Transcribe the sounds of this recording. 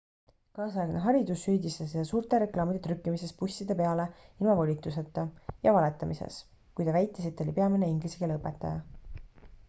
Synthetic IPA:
kɑːsɑjɑɡneɦɑɾid̪usːyːd̪ist̪ɑsid̪ɑsuːrt̪ˑeɾe̞klɑːmid̪̥et̪ɾykːimise̞spusʲːid̪e̞pe̞ɑle̞ilmɑvolʲit̪ːˑuse̞t̪ːˑɑjɑvɑle̞t̪ːˑɑmisḛs | kujt̪ɑvæjt̪ːˑesit̪ːˑo̞lʲipe̞ɑmine̞iŋɡliseɡ̥elɤpːˑe̞t̪ːˑɑjɑ

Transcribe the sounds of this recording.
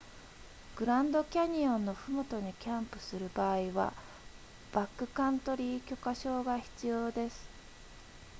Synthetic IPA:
ɡ̥ɯ̟ɾãnd̪o̞kʲaɲ̟iõ̞nːo̞ɸɯ̟mot̪o̞ɲ̟ikʲãmpɯ̟̥sɨɾɯ̟baːiβa̰ | b̥akːɯ̟kãnt̪o̞ɾʲikʲo̞kaɕo̞ːɡaçi̥t͡sɨjo̞ːd̪e̞sɨ̥

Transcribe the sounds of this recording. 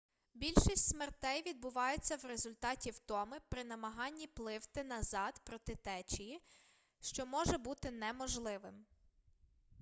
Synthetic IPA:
bʲilʲʃisʲtʲsmert̪ɛjʋʲid̪̚bʊʋɑjet͡sʲːɐwɾezʊlʲt̪ɑtʲiwt̪ɔmɪpɾɪnɐmɐɦɑnʲːiplˠɪwt̪ɪnɐzɑd̪pɾɔt̪ɪt̪ɛt͡ʃiji | ʃt͡ʃɔmɔʒɛbut̪ɪnɛmɔʒlˠɪʋɪm

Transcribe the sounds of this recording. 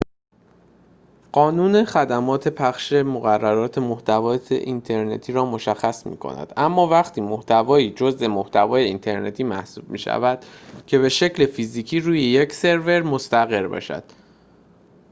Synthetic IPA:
ɢ̥ɒːnuːne̞χæd̪æmɒːt̪ʰe̞pʰæχʃe̞moɣærːæɾɒːt̪ʰe̞moht̪ævɒːt̪ʰḛʔint̪ʰe̞ɾne̞̰t̪ʰiːɾɒːmo̞ʃæxːæsmḭːkʰo̰næ̰d̪̥ʔæmːɒːvæχt̪ʰiːmoht̪ʰævɒːiːd͡ʒo̞zʔe̞moht̪ʰævɒːje̞int̪ʰe̞ɾne̞t̪ʰiːmæhsuːb̥̚mḭːʃæ̰væd̪̥cʰe̞βe̞ʃe̞cle̞fiziːcʰiːɾuːjejecse̞ɾve̞ɾmo̞st̪æɣe̞ɾbɒ̰ːʃæ̰d̪̥

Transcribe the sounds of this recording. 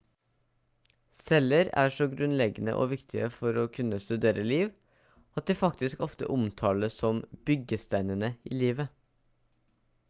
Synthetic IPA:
sɛləɾæ̰ːʂɔɡɾʉnlɛɡənə̰ʔo̰ːʋɪkt̪ʰɪəfɔɾoːkʰʉnːəst̪ʉd̪eːɾʔəliːʋ | ɑt̪̚d̪iːfɑkt̪ɪskɔft̪ə̰ʔʊmt̪ʰɑːləsɔmbʏɡəst̪æɪnənəiːliːʋə

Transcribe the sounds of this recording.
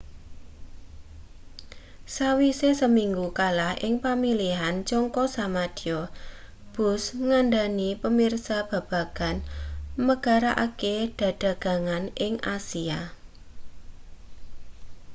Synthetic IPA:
sawisesəmiŋɡukalahʔɪ̰ŋpamiliɦant͡ʃɔŋkɔsamad̥iɔ | b̥ʊ̤sŋaɳɖanipəmirsab̥ä̤b̥ä̤ɡ̥a̤nməɡ̥a̤ɾaʔa̰keɖ̥ä̤ɖ̥ä̤ɡ̥ä̤ŋanʔɪŋʔasia

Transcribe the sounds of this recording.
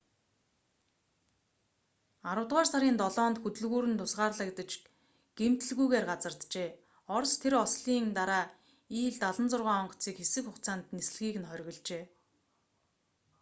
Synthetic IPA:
aɾə̆wt̪ʁaːrsaɾʲiːnt̪ɔɮɔːnt̪xɵt̪ɵ̆ɮɣuːɾɘ̆nt̪ʰʊsʁaːrɮə̆kt̪ə̆t͡ɕ | ɡ̥em̥t̪ɘ̆ɮɣujɣeːrɢat͡sə̆rt̪t͡ɕeː | ɔrst̪ʰeɾɔsɮiːnt̪aɾaː | iːɮt̪aɮə̆nt͡sʊrʁaːɔɴɢɞ̥̆t͡siːkxesɘ̆kxʊxt͡saːnt̪nesɘ̆ɮɣiːkɘ̆nχœɾʲɣɞ̆ɮt͡ɕeː

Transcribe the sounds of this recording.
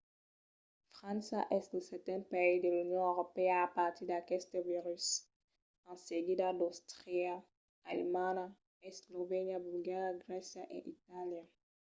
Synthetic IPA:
fʁãnsa̰ʔɛsluset̪ɛ̃nt̪̚paizd̪elunjõoʁopeaːpaɾt̪iɾd̪akɛst̪eviɾys | ãnseɡid̪ad̪ost̪ʁɾia | alemãna | eslovenjabulɡaɾjaɡɾɛsjaʔḛʔit̪alja

